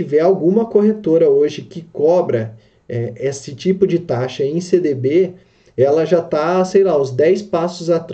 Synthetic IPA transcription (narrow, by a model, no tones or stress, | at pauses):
ivɛawɡũmɐkoɦet̪oɾɐoʒɪkɪkɔbɾɐ | ɛesɪt͡ʃipʊd͡ʒɪt̪aʃɐẽj̃sed̪ebe | ɛlɐʒat̪asejlaʊ̃zd̪ɛjspasʊzat̪ɾ